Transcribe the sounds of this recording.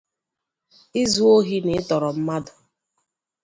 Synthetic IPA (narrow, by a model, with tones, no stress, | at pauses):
i˦zu˦o˦ɦi˦nɪ˨ɪ˦tɔ˨ɾɔ˨m̩˦ma˦dʊ˨